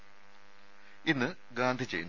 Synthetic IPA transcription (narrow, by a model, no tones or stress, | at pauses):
inːɨ | ɡaːnd̪ʱit͡ɕejunː